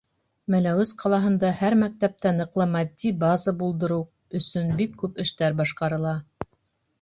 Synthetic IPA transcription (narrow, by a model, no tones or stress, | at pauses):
mælæwɘzqʰɑlˠɑɦɤ̆nd̪ɑhæɾmæk̚t̪æp̚t̪ænɤ̆qlˠɤmɑd̪ʲːibɑzɑbulˠd̪ɤ̆ɾuw | ɵ̆sɵnbikʰːʉpɘ̆ʃt̪æɾbɑʃqɑɾɤ̆lˠɑ